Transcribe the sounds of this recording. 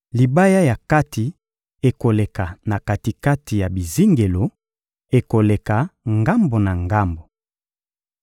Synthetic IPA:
li˨ba˦ja˦ja˨ka˦ti˨ | e˨ko˨le˨ka˨na˨ka˨ti˨ka˦ti˨ja˨bi˨zi˦ŋɡe˨lo˨ | e˨ko˨le˨ka˨ŋɡa˦mbo˨na˨ŋɡa˦mbo˨

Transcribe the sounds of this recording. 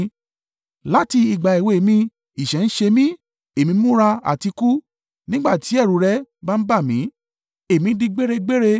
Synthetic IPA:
la˦ti˧i˨ɡ͡ba˨i˨we˨mĩ˧ | i˨ʃɛ˨˦n̩˦ʃe˧mĩ˦ | e˨mĩ˧˦mũ˦ɾa˧a̰˨ti˧ku˦ | nĩ˦ɡ͡ba˦˨ti˨˦ɛ˦˨ɾu˨˦ɾɛ˦ba˦n̩˦ba˦˨mĩ˨˦ | e˦˨mĩ˨˧˦dĩ˧ɡ͡be˦ɾe˧ɡ͡be˦ɾe˧

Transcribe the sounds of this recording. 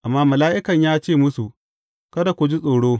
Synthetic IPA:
ʔa˨mːaː˦mɐ˨laː˦ʔɪ˦kɐ˨ɲjaː˦t͡ʃeː˦˨mʊ˦su˨ | kɐ˦da˨kʷʊ˨d͡ʒi˦sʼoː˨ɽoː˦

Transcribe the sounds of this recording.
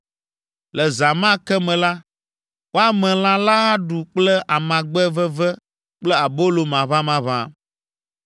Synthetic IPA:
lɛ˨za˨mã˦kɛ˦mɛ̃˨la˦ | wʔo˦a˦mɛ̃˨l̃ã˦la˦ɦa˦ɖu˨k͡plɛ˦ʔa˨mã˨ɡ͡bɛ˦vɛ˦vɛ˦ | k͡plɛ˦a˨bo˦lo˨mã˨βã˦mã˨βã̰˦˨

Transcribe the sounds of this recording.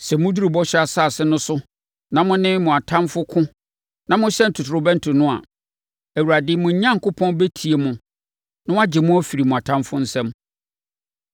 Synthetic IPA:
sɛ˨mʊ̃˦du˦ɾi˨bɔ˦ɕᶣɛ˦a˨saː˦˨sɪ˦nʊ̃˦sʊ˦ | nã˨mʊ̃˦nɪ̃˦mʊ̃˨a˨tʰã˦mfʊ˦kʰʊ̃˦ | nã˨mʊ̃˦ɕɛ˦n̩˨tʰʊ˨tʰɾʊ˨bɛ̃˦n̩˦tʰʊ˨nʊ̃˦a̰˨ | æ˨wu˨ɾa˨dɪ˦mʊ̃˨ɲ̩˦ɲã˦ŋ˨kʊ˦pʰɔ̃˦nbɛ˦tʰi˨e˨mʊ̃˨ | nʊ̃˦a˦d͡ʑɪ˨mʊ̃˦æ˦fi˨ɾi˨mʊ̃˨a˨tʰã˦mfʊ˦n̩˦sɛ̃˦m

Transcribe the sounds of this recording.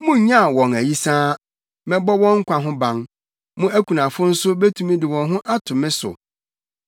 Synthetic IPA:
mʊ̃˦ɲ˨ɲã˦˨wɔ̃˨ŋæ˨ji˦sãː˦ | mɛ̃˦bɔ˦wɔ̃˦ŋ̩˦kʷʰa˨ɦʊ̃˦bã˨ŋ | mʊ̃˦æ˦kʰʷu˨nã˨fʊ˦n̩˦sʊ˦be˦tʰũ˦mĩ˦dɪ˨wɔ̃˨nɦʊ̃˦ʔa˦tʰʊ˨mɪ̃˦sʊ̰˨

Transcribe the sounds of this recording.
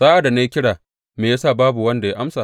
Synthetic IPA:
zaː˦ʔa˨da˨na˦ji˦kʲɪ˦ɽaː˨ | meː˨jaː˦saː˦˨baː˦bu˨wɐ˦nda˨ja˦ʔa˦msaː˨

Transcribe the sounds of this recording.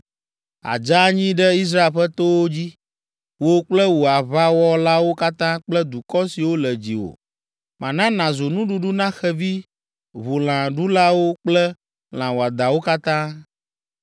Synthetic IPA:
a̰˨d͡ʒa˦ɲĩ˦ɖɛ˦i˦s̬ɾa˦e˨ɸɛ˦t̪o˦wo˦d͡ʑi˦ | wo˦k͡plɛ˦wo˨a˨βa˦wɔ˦la˦wo˦ka˦t̪ã˦k͡plɛ˦d̪u˨kɔ˦si˨wo˦lɛ˨d͡ʑḭ˨wo̰˨ | mã˨nã˦nã˨zo˨nũ˦ɖu˦ɖu˦nã˦xɛ˦vi˦ | βo˨l̃ã˨ɖu˦la˦wo˦k͡plɛ˦ | l̃ã˨wo˨a˨d̪a˨wo˦ka˦t̪ã˦

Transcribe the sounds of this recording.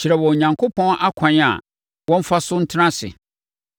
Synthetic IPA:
t͡ɕʰɪ˨ɾɛ˨wɔ˨ɲã˨ŋkʰo˦pʰɔ̃˦nʔa˦kʷʰã˨ɲ˦a̰˨ | wɔ̃˦m̩˦fa˦sʊ˦n̩˦tʰnã˦sɪ̰˨

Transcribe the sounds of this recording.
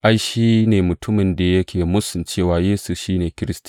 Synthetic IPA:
ʔa˦jʃiː˦neː˨mʊ˨tʊ˦mɪ˨nda˨jɐ˦kʲʰeː˨mʊ˦sʊ˨nt͡ʃeː˦˨waː˨jeː˦su˦˨ʃiː˦neː˨kʲɪ˦ɾɪ˦sti̥˦

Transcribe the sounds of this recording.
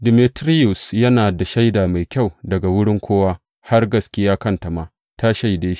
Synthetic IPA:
dɪ˨mi˨tɾi˦jʊ˨sjɐ˦naː˨da˨ʃa˦jdaː˨ma˨jkʲa˦˨wdɐ˨ɡa˨wʊ˦ɽɪ˦ŋkʷʰoː˦waː˦ | ha˦rɡɐ˨skʲɪ˦jaː˦kɐ˦nta˨maː˨ | ta˦ʃa˨jdeː˦ʃi̥˦ʔ

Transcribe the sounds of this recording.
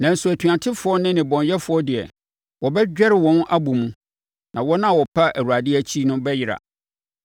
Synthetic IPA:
nã˨n̩˨su˨æ˨tʰɥã˨tʰɪ˦fʊ˨ɔ˦nɪ̃˦nɪ̃˨bɔ̃˨njɛ˦fʊ˨ɔ˦dɪ˨ɛ̰˨ | wɔ˨bɛ˦d͡ʑᶣɛ˦ɾɪ˨wɔ̃˨˦nʔa˦bu˨mũ˦ | nã˨wɔ˦nã˦˨wɔ˨pʰa˦ʔæ˨wu˨ɾa˨dɪ˦æ˦t͡ɕʰi˦nʊ̃˦bɛ˦jɪ˦ɾa̰˨

